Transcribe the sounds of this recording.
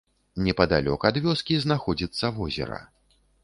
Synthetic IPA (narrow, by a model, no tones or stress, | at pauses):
nʲɛpɐd̪alʲɔ̰kɐːd̪vʲɔskʲiznaxɔd͡zʲit̪sːɐvɔzʲɛ̰ɾɐ̰